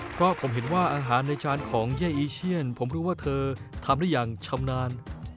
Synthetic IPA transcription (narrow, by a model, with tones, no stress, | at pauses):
pʰɾɔ˦˥pʰo˩˦mɦe˨˩˦nwaː˥˩ʔaː˧ɦaː˩˦nːa˧jt͡ɕaː˧nkʰɔː˩˦ŋjaː˥˩ʔiː˧t͡ɕʰi˥˩ənpʰo˩˦mɾuː˦˥waː˥˩t̪ʰɤː˧t̪ʰa˧mdaː˥˩jaː˨˩ŋt͡ɕʰa˧mnaː˧n